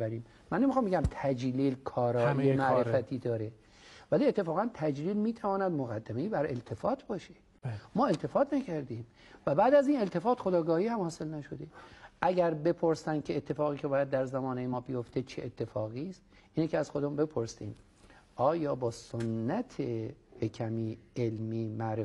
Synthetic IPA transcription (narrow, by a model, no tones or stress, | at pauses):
bæɾiːmːænːemixɑmbeɡæmt̪ʰæd͡ʒliːlkʰɒːɾɒːiemæʔɾefæt̪ʰiːd̪ɒːɾe | væliːet̪ʰːefɒːɣænt̪ʰæd͡ʒliːlmiːt̪ʰævɒːnæd̪moɣæd̪ːæmeiːbæɾe̞̰lt̪ʰe̞fɒːt̪ʰbɒːʃe̥ | mɒːe̞lt̪ʰe̞fɒːt̪ʰnæcʰæɾd̪iːm | væbæːd̪æziːne̞lt̪ʰe̞fɒːt̪xod̪ɒːɡɒːhiːhæmhɒːse̞lnæʃod̪eʔæɟæɾbe̞pʰoɾsænd̪̥̚kʰʲeet̪ʰːe̞fɒːɣiːcʰe̞bɒːjæd̪̚ːæɾzæmɒːnejemɒːbijo̞ft̪ʰe̞t͡ʃʰeʔet̪ʰːe̞fɒːɣiːst̪ | ʔiːnecʲʰeæz̥xod̪ombe̞pʰoɾsḭːm | ʔɒːjɒːbɒːsonːæt̪ʰehekʰæmiːelmiːmæʔɾe